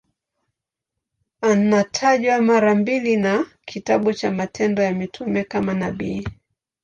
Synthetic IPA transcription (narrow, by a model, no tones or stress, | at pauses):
anatʰaʄwamaɾambilinakʰitaɓut͡ʃamatʰɛndɔjamitʰumɛkamanaɓiː